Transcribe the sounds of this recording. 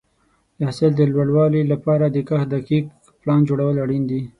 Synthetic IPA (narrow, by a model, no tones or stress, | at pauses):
jahsɪld̪əlwaɽwɑlilapɑɾad̪əkəxd̪akik | plɑnd͡ʒoɽawəlaɽind̪i